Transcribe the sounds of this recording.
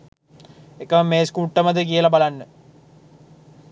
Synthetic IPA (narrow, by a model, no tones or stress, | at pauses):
ekəməmeːskuːʈːəmɐd̪əkijəlabalanːə